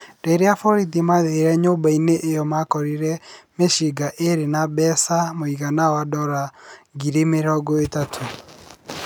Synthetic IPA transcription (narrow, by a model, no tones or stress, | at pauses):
deɾeafɔɾidimaðeɾɛɲoːmbaineʔejɔmakɔɾiɾɛmeʃiɡaʔeɾenabɛsamoiɣanawadɔɾaɡiɾimeɾɔɡɔetatʰo